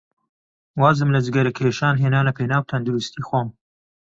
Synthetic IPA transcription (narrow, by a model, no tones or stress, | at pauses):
waːzɨmlɐd͡ʒɨɡɐɾɐkʰeːʃaːnɦeːnaːnlɐpʰejnaːwt̪ʰɐnd̪uɾust̪iːxwoːm